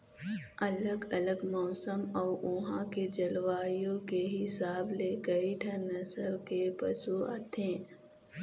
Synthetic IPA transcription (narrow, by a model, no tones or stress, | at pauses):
ɐləɡɐləɡmɔːsəmɔːʔʊɦãked͡ʒɐlʋaːjõkeɦɪsaːblekɐiʈʰənɐsəɾkepɐsua̰t̪ʰẽː